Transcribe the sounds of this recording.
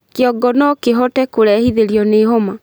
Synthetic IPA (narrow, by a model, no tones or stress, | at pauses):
keɔɡɔnɔkeɦɔtɛkoɾɛhiðeɾiɔneɦɔma